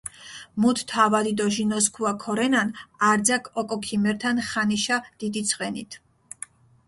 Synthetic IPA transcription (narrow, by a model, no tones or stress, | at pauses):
mut̪ʰt̪ʰavad̪id̪ɔʒinɔskʰuakʰɔɾɛnanaɾd̪zakʰɔkʼɔkʰimɛɾt̪ʰanχaniʃad̪̥id̪it̪sʰʼqʼɛnit̪ʰ